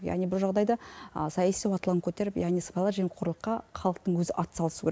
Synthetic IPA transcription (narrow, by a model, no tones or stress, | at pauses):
jɑ̰ʁnijbʊlˠʒɑʁd̪ɑjd̪ɑəsɑjɑsiwɑt̪lˠəŋkʲʰɵt̪e̞ɾɪpjɑ̰ʁnijspɑlˠɑɾʒemeqʰʊɾlˠəqːɑχɑlˠəq̚t̪əɴwɵzɪʔɑt̪sɑlˠəsuɡʲʰeɾe